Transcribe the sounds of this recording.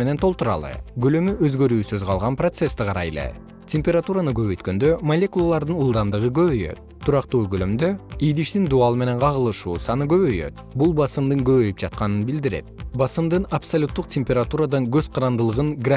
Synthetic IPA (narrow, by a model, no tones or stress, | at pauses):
ene̞nt̪ʰo̞lˠt̪uɾɑ̰lˠɯ̰ɡølømyʔøzɡø̞ɾyːsøzqʰɑlˠʁɑnpro̞t̪se̞st̪iqʰɑɾɑ̰jḛlḛ | tʲemʲpʲe̞ɾat̪uɾanɯɡø̞βø̞jt̪̚kø̞nd̪ømɐlʲe̞kulˠalˠɑɾd̪ɯnɯlˠd̪ɑmd̪ɯʁɯɡø̞βøjø̰t̪ʰːuɾɑqt̪uːɡølø̞md̪øijd̪iʃt̪ind̪uɑlˠɯme̞ne̞nqʰɑʁɯlˠɯʃuːsɑnɯɡø̞βø̞jø̰t̪̚ | bulˠbɑsɯmd̪ɯŋɡø̞βø̞jypd͡ʒɑt̪̚qɑnɯnbild̪iɾe̞̰t̪̚bɑsɯmd̪ɯnɐpsɐlʲut̪ːuq̚tʲemʲpʲeɾat̪uɾad̪ɑnɡø̞zqʰɑɾɑnd̪ɯlˠɯʁɯnɡra